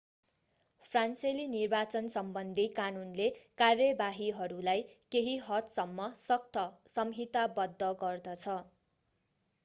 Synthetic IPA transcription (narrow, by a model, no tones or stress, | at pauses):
pʰranselinirbat͡sʌnsʌmbʌnd̪ʱikanunlekarjʌbaɦiɦʌɾulajkeɦiɦʌt̪sʌmːʌsʌk̚t̪ʰʌsʌmɦit̪abʌd̪ʱːʌɡʌrd̪ʌt͡sʰʌ